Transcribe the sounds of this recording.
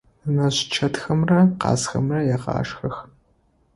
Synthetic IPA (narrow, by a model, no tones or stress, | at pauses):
ɨnɐɕt͡ʃʰɐtxɐmrɐqɑ̰ːsxɐ̰mrɐjɛqɑ̰ːʂxɐx